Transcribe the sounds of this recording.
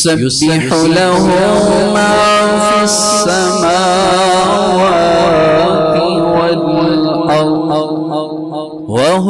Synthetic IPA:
sajʊbsɪħ | laɦʊ | ma | fi | sːa | maːʔwa | t̪iwadɪlʔɑɾˤd̪ | waɦ

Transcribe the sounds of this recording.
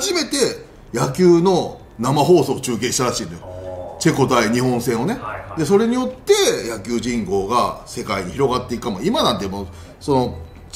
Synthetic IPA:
ʑime̞t̪e̞ | jakʲɨːno | namaɦo̞ːso̞ːt͡ɕɨːk̬ẽ̞ɕit̪aɾaɕĩːnojot͡ɕe̞ko̞t̪aiɲ̟ihõ̞ɰ̃sẽɰ̃o̞ne̞d̪e̞so̞ɾe̞ɲ̟ijo̞t̪ːe̞jakʲɨːʑĩŋko̞ːɡase̞kaiɲ̟içiɾo̞ɡat̪ːe̞ikɯ̥kamoimanãnt̪emo | so̞no̞

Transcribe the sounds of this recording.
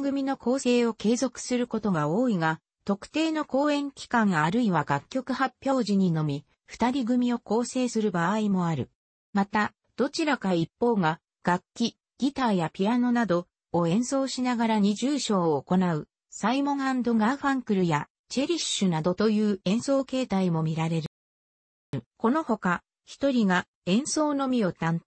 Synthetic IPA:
ɡɯ̟mʲino̞ko̞ːse̞ːo̞ke̞ːzo̞kɯ̟̥sɨɾɯ̟ko̞t̪o̞ɡao̞ːiɡa | t̪o̞kɯ̟̥t̪e̞ːno̞ko̞ːẽ̞ŋkʲi̥kãŋɡaɾɯ̟iβaɡakʲːo̞kɯ̟hapʲːjo̞ːʑiɲ̟ino̞mʲi | ɸɯ̟̥t̪aɾʲiɡɯ̟mʲio̞ko̞ːse̞ːsɨɾɯ̟baimo̞aɾɯ̟ | mat̪a | d̪̥o̞t͡ɕiɾakaipːo̞ːɡa | ɡ̥akʲːi | ɡ̥ʲit̪aːjapʲiano̞nad̪o̞ː | ẽ̞ɰ̃so̞ːɕinaɡaɾaɲ̟iʑɨːɕo̞ːko̞naɯ̟ | saimõ̞ŋãnd̪o̞ɡaɸãŋkɯ̟ɾɯ̟ja | t͡ɕe̞ɾʲiɕɨnad̪o̞t̪o̞jɯ̟ːẽ̞ɰ̃so̞ːke̞ːt̪aimo̞mʲiɾaɾe̞ɾɯ̟ | ko̞no̞ho̞ka | çi̥t̪o̞ɾʲiɡa | ẽ̞ɰ̃so̞ːno̞mʲio̞t̪ãn

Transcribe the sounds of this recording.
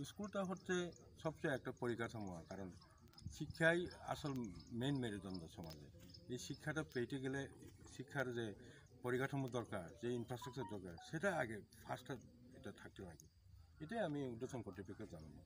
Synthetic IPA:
skultaɦɔtzɛ | sɔbsɔjɛk̚tapɔɹikatʰɔmɔwa̰kaɹɔn | sikʰːaja̰sɔlmenmeɹizɔndɔsɔmɔzɛ̰ejsikʰːatapejteɡɛlɛsikʰːaɾzɛ | poɹikatʰɔmɔdɔɹkaɹzeinpʰɹastɹak̚sɔɹdɔɹkaɹsetaaɡɛpʰasta | ɛtatʰak̚tɛlaɡɛ | etiaamiudesʰɔnkɔɹtipʰiketzanɔmɔ

